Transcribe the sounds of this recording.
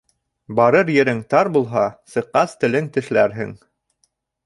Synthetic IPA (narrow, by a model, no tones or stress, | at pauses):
bɑɾɤɾjɘ̆ɾɘŋt̪ɑɾbulˠɦɑsɤ̆qːɑst̪ɘ̆lɘnt̪ɘ̆ʃlæɾɦɘ̰ŋ